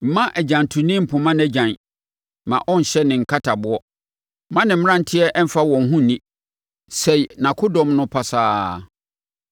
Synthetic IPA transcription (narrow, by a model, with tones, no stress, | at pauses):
m̩˦mã˦ʔɛ˨d͡ʑã˨n˨tʰũ˨nĩ˦m̩˨pʰʊ̃˨mã˦nɛ˦d͡ʑã˨n | mã̰˨ʔɔ̃˦n̩˨ɕɛ˦nɪ̃˨ŋ̩˨kʰa˦tʰa˨bʊ˦ɔ˦ | mã˦nɪ̃˨m̩˦m˦ã˦n̩˦tʰɪ˦ɛ˦ʔɛ˦m̩˦fa˦wɔ̃˨n̩˨ɦũ˦˨nĩ˦ | se˨i˨nã˨kʰʊ˦dɔ̃˦mnʊ̃˦pʰa˦saː˦